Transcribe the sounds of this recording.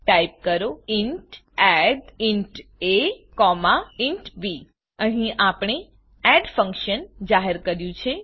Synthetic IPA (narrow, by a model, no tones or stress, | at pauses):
ʈajp̚kəɾoiɳʈ | ɛɖiɳʈekɔmaiɳʈbi | əɦĩʔapɳ̃e | ɛɖfə̃ŋkʃənd͡ʒaɦeɾkəɾjũt͡ʃʰe